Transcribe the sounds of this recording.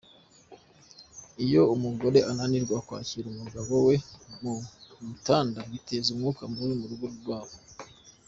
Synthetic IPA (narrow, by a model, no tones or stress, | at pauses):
ijo̞umuɡo̞ɾe̞ʔananiɾɡwakwa̰ːciɾumuɡaβo̞we̞mumutaːndaβitʰezumŋuːkamuɾimuɾuɡoɾuɾɡwaːβo